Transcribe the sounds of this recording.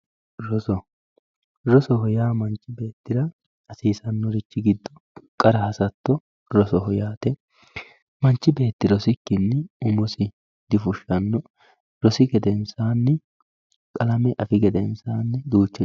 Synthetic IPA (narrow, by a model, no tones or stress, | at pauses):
ɾɔsɔ | ɾɔsɔɦɔjaːmɐnt͡ʃːɪbe̞ːt̪ːɪɾɐ | ɐsiːsɐnːɔɾɪt͡ʃːɪɡɪd̪ːɔ | kʼɐɾɐhɐsɐt̪ːɔ | ɾɔsɔhɔjaːt̪ɛ | mɐnt͡ʃːɪbe̞ːt̪ːɪɾɔsɪkːɪnːɛʊmɔsɪ | d̪ɪfʊʃːɐnːɔ | ɾɔsɪɡɛd̪ɛnsaːnːɛ | kʼɐlɐmɛʔɐfɪɡɛd̪ɛnsaːnːɛd̪uːt͡ʃːɛ